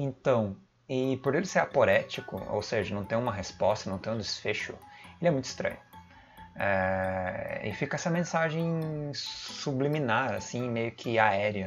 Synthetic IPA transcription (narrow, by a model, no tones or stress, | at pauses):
ẽnt̪ɐ̃w̃ | ɪpoɾelɪsɛapoɾɛt͡ʃikʊ̰o̰wseʒɐnɐ̃w̃t̪ẽj̃ũmɐɦespɔst̪ɐnɐ̃w̃t̪ẽj̃d̪ɪsfeʃʊ̰elɪɛmũj̃t̪ʊ̥ist̪ɾɐ̰̃ɲʊ | ɛ | ɪ̰fikɐɛsɐmẽsaʒẽj̃ | subliminaɾa̰sĩmejʊkʰɪaɛɾiɐ